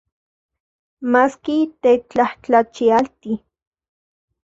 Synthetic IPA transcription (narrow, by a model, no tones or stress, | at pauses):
maskit̪et͡ɬaht͡ɬat͡ʃialt̪i